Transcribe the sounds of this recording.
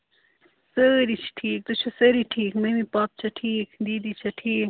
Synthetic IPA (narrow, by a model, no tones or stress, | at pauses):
səɾit͡ʃʰʈʰiːk̚t̪ut͡ʃʰusəɾiʈʰiːkmemipaːp̚t͡ʃʰaʈʰiːkd̪iːd̪it͡ʃʰɐʈʰiːk